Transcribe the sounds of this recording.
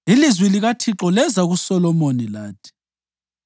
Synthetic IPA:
ilizwiliɣatʰiǁɔlɛzaɣusɔlɔmonilaːtʰʼi̥

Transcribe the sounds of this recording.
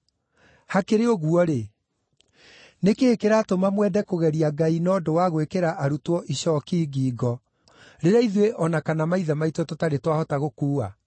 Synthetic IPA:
hakeɾeoɣuɔɾe | nekeːkeɾaːtomamwɛdɛkoɣɛɾiaɡainɔːdowaɣwekeɾaʔaɾutwɔʔiɕɔkiːɡiːɡɔ | ɾeɾaiðweʔɔnakanamaiðamaitwɔtotaɾetwahɔtaɣokuːa

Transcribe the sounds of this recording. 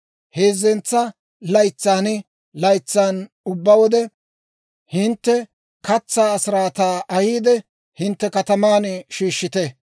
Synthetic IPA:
he̞ːzːɛnt͡sːɐ | lɐjt͡sːaːnɪ | lɐjt͡sːaːn | ʊbːɐwɔd̪ɛ | hɪnt̪ːɛ | kɐt͡sːaːɐsɪɾaːt̪aːʔɐhiːd̪ɛ | hɪnt̪ːɛkɐt̪ɐmaːnʃiːʃːɪt̪ɛ

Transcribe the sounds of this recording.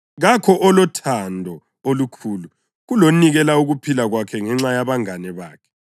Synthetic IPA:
ɣakʰɔʔɔlɔtʰandʱɔ | olukʰuːlu | ɣuloniɣɛlauɣupʰilaɣwakʰɛŋɛŋ͡ǁajaβaŋanɛβaːkʰɛ̥

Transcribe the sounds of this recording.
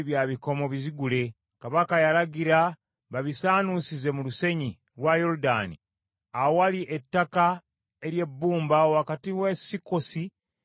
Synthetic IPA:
βjaːβiko̞mo̞βiziɡule̞ | kaβakajalaɟiɾa | βaβisaːnusize̞muluse̞ɲi | lwajo̞ɾuda̰ni | aowaliʔe̞tːaka | e̞ɾje̞bːuːmbaowakatiwesiko̞si

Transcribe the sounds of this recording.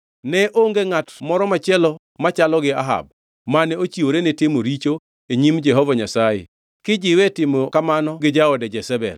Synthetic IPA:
nɛʔoŋɡeŋatmɔɾɔmat͡ʃɪɛlɔ | mat͡ʃalɔɡɪaɦa̰b̚ | manɛot͡ʃioɾenetemoɾit͡ʃo | eɲimd͡ʒɛɦɔvɔɲasajɪ̰ | kɪd͡ʒɪwɛtɪmɔkamanɔɡɪd͡ʒaɔdɛd͡ʒɛsɛbɛ̰l

